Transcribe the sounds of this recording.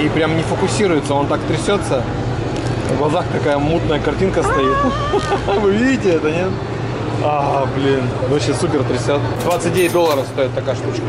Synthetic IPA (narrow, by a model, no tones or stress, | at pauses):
ipɾʲamnʲɪfəkʊsʲiɾʊjɪt̪səo̞nt̪akt̪ɾʲɪsʲo̞t̪sə | vlˠɐzakt̪ɐkajəmut̪nəjəkɐrtʲinkəst̪ɐit̪ | vɨvʲidʲɪtʲɪɛt̪ənʲet̪ | ablʲinvɐɕesup̬ʲɪrt̪ɾʲɪsʲot̪d̪vat̪sɨt̚ʲdʲeɪt̚ʲd̪o̞lˠːəɾəfst̪o̞ɪt̪ːɐkajəʂt̪ut͡ɕkə